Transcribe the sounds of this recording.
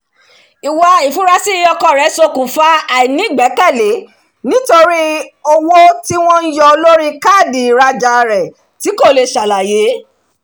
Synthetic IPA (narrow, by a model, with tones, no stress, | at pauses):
i˨wa˧i˨fũ˦ɾa˧si˦˧˦ɔ˧kɔ˧˨ɾɛ˨˦so˧kũ˨fa˦a˨i˨nĩ˨˦˨ɡ͡bɛ˨˦kɛ˦˨le˨˦ | nĩ˨˦to˧ɾi˦o˦wo˦ti˦w̃ɔ̃˦n̩˦jɔ˧o˧lo˦ɾi˦ka˦˨di˨ɾa˧d͡ʒa˧˨ɾɛ˨ | ti˨˦ko˦˨le˧˨ʃa˨la˨je˨˦